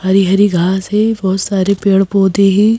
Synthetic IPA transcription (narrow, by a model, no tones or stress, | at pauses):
hɐɾiɦɐɾiɡʱaːsɦɛbɔɦt̪saːɾepeːɽpoːd̪ẽɦɛ̃ː